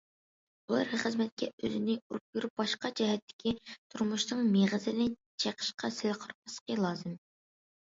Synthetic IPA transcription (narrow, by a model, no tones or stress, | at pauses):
ulˠɑ̰ɾχəzmɛt̪̚kʲʰɛø̰zɪnɪuɾup̚juɾup̚bɑʃqɑd͡ʒɛɦɛt̪ʰːɪ̥kʲʰit̪ʰuɾmuʃnɨŋmeʁəzɪnɪt͡ʃʰeqʰə̥ʃqʰɑsɪlqʰoɾqɑsə̥qʰəlˠɑːzɨm